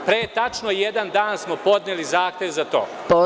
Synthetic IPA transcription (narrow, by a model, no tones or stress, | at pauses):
pɾeːt̪at͡ʃnoijed̪and̪aːnsmopo̞d̪nelizaːxt̪ʲjeʋzat̪o̰ː | po